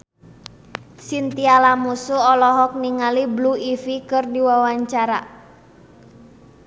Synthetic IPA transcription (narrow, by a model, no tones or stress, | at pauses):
sint̪ialamusuɔlɔɦɔk̚niŋalibluifikɨrdiwawaɲt͡ʃaɾa